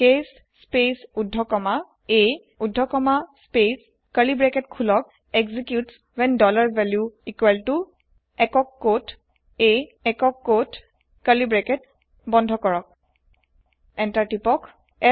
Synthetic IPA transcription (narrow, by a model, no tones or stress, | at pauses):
kesː | pesudʱːɔkɔma | e | udʱːɔkɔmaspes | kəlibɹɛkɛtkʰulɔk̚ | ɛkzikjuts | wɛndɔlaɹvɛljuikwɛltu | ɛkɔkːot | eɛkɔkːot | kəlibɹɛkɛt | bɔ̃ndʱɔkɔɹɔk̚ | ɛntatipɔk | ɛ